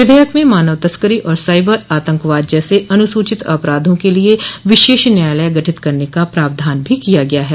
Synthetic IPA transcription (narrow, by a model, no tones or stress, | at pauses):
ʋɪd̪ʱəjəkmẽmaːnəʋt̪ɐskəɾiʔɔːɾsaːɪbəɾaːt̪ə̃ŋkʋaːd̪̚d͡ʒɛːseɐnʊsuːt͡ʃɪt̪ɐ̰pɾaːd̪ʱõkelieʋɪʃeːʃnjaːjləjɡɐʈʰɪt̪kɐɾnekapɾaːb̚d̪ʱaːnbʱikijaɡɐjaɦɛː